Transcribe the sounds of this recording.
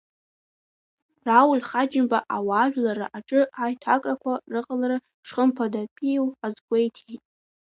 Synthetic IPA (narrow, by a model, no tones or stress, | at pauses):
rawʊlʲχad͡ʒɪmbaʔawaːʒᶣlaɾa̰ʔaʈ͡ʂʼɨajtʰakʼrakʷʰarɨqʼalarɨ | ʂχəmpʰadapʼijwazɡʷejtʰitʼ